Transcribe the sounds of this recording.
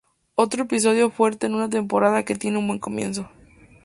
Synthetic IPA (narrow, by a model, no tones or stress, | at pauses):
o̞t̪ɾoepis̬o̞ðjo̞fwe̞ɾt̪e̞ːnunat̪̬e̞mpo̞ɾaðake̞t̪je̞neũnbwe̞ŋko̞mje̞̰ns̬o̞